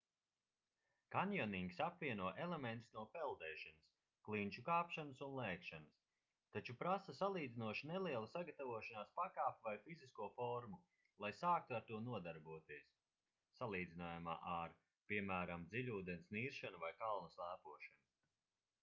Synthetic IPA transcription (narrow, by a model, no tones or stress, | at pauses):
kanjɔniŋɡʲisapvʲiɛnuɔʔelˠement̪snuɔpɛlˠd̪ɛːʃanɐs | klˠinʲt͡ʃukaːpʃanɐsunlˠɛːkʃanɐs | t̪at͡ʃupɾasɐsalˠiːd̪zinuɔʃinɛlˠiɛlˠusaɡat̪avuɔʃanaːspakaːpvajfiziskuɔfɔɾmu | lˠajsaːk̚t̪uaɾt̪uɔnuɔd̪aɾbuɔt̪iɛsː | alˠiːd̪zinaːjuma̰ːʔaɾ | piɛmæːɾamd̪ziʎʲuːd̪ensniːɾʃanuvajkalˠnɐslˠæːpuɔʃanu